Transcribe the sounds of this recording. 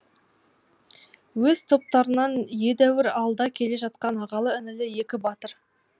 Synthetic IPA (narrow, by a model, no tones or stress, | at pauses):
wɵz̥t̪ʰo̞p̚t̪ɑɾənɑnje̞d̪æwɪɾɑlˠd̪ɑkʲʰe̞le̞ʒɑt̪̚qɑnɑʁɑlˠəɪnɪlɪje̞kʲɪbɑt̪əɾ